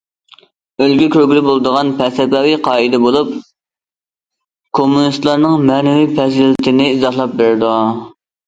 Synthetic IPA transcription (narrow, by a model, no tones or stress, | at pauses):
ølɡʲykʲʰøɾɡʲilɪbolˠd̪əʁɑnpʰɛsɛpɛwiqʰɑːid̪ɛbolˠup | kʰomːunist̪lˠɑɾnɨŋmɛnɪwipʰɛzɪlt̪ʰɪnɪizɑhlˠɑp̚beɾɪd̪u